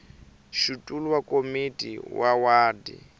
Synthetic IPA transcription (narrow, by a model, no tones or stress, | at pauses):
ʃutʼuluwakʼomitʼḭwʔawaːdḭ